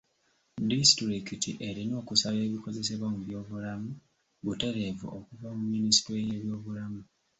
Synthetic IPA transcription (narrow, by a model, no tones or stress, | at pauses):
distɾikitiʔe̞ɾino̞ːkusaβe̞ːβiko̞ze̞se̞βwamuβjo̞ːβulamu | ɡute̞ɾevṵʔokuvamumːinisi̥tɾejeβjo̞ːβulamu